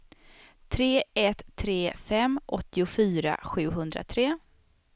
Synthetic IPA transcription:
t̪ʰɾeːɛt̪ʰːɾeːfɛmːʔɔt̪ːɪʊfyːɾa̰ɧʉ̟ːɦɵnd̪ɾa̰t̪ʰɾeː

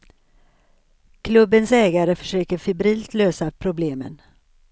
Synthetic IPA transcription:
kʰlɵbːənsɛːɡaɾəfœ̥ʂøːkəɾfʏbɾiːlt̪løːsapʰɾʊbleːmə̰n

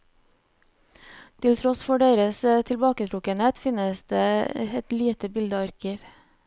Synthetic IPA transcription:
t̪ʰɪlt̪ʰɾɔsfɔɖeːɾəst̪ʰɪlbɑːkət̪ʰɾʊkənheːt̪fɪnəsd̪eːɛt̪liːt̪əbɪld̪əɑɾkəɾ

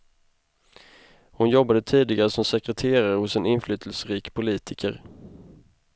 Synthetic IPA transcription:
hʊnjɔbːad̪ət̪ʰiːd̪ɪɡaɾəsɔmsɛkɾɛt̪ʰeːɾaɾhʊsɛnɪnflyːt̪ʰəlsɾiːkpʰʊliːt̪ʰɪkʰəɾ

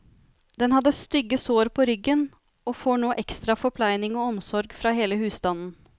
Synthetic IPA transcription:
d̪ɛnhɑd̪ːəst̪ʏɡːəsoːɾpʰɔɾʏɡən | ɔfoːɳoːʔɛkst̪ɾɑfɔpʰlæɪnɪŋɔɔmsɔɾɡfɾɑɦeːləhʉːsd̪ɑnn̩

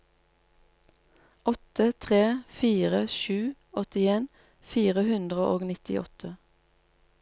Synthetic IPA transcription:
ʔɔt̪ət̪ʰʁeːfiːʁəʃʉː | ɔt̪ɪeːn | fiːʁəhʉnd̪ʁəʔoːɡnɪt̪ɪ̰ʔɔ̰t̪ʰə

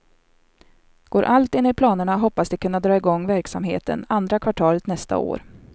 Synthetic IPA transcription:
ɡ̥oːɾʔalt̪ɪnːɪpʰlɑːnəɳaɦɔpːasd̪ɪkʰɵnːad̪ɾɑːɪɡɔŋːvæɾksamɦḛːt̪ə̰nand̪ɾakʰvaʈʰɑːlət̪nɛst̪a̰o̰ːɾ

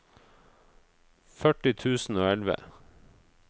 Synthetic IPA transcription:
fœʈɪt̪ʰʉːsn̩oːɛlʋə̰

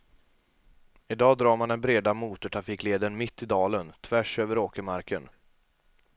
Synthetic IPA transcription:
ɪd̪ɑːd̪ɾɑːɾmand̪ɛnbɾeːd̪amuːt̪ʊʈʰɾafiːkleːd̪ənmɪt̪ːɪd̪ɑːlənt̪ʰvæʂøːvəɾoːkəmaɾkʰən

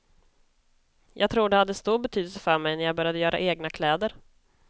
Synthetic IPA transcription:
jɑːɡ̚t̪ʰɾuːɖɛhad̪ːəst̪uːɾbɛt̪ʰyːd̪əlsəfœɾmɛjnæɾjaɡbœɾjad̪əjœːɾʔa̰ʔeːɡnakʰlɛːd̪əɾ

